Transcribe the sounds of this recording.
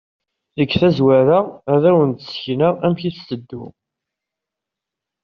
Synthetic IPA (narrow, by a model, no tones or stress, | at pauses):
ðəkːθæzwæɾaæðæwənt̪ə̥sçnəʁæmçiθsəd̪ːṵ